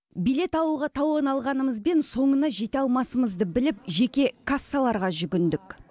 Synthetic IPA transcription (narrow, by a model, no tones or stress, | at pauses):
bijle̞t̪ɑwuʁɑt̪ʰɑwonɑlˠʁɑnəməzbe̞nso̞ɴənɑʒe̞t̪eɑlˠmɑsəməzd̪əbɪlɪp̚ʒe̞kʲe̞kʰasːalˠɑɾʁɑʒʏɡʲɪnd̪ɪk